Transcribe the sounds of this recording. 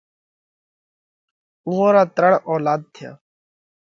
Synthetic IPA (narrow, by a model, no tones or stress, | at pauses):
uɦõːɾaːt̪ɾəɳoːlaːd̪̚t̪ʰɪja̰ː